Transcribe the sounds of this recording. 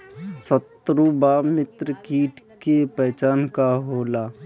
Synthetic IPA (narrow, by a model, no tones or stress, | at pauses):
sət̪ɾubaːmɪt̪ɾəkiːʈʰ | kepɛːt͡ʃaːnkaɦoːlaː